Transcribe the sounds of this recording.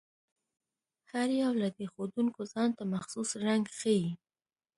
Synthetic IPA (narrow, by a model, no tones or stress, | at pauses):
haɾjawlad̪əxod̪uŋkozɑnt̪amaxsusɾaŋɡxəji